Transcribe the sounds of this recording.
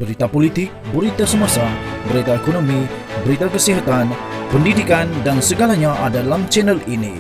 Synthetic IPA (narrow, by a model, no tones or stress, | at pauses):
b̥əɾit̪apolit̪ɪk̚bəɾit̪asəmasa | bəɾit̪aekonomi | bəɾit̪akəsiɦat̪an | pəndidikandansəɡalaɲaʔadalamt͡ʃɛnəlinḭ